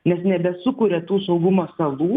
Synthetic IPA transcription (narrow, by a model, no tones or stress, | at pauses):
nʲɛsnʲɛbʲɛsʊkʊɾʲɛt̪uːsɐʊɡʊmoːsɐlˠuː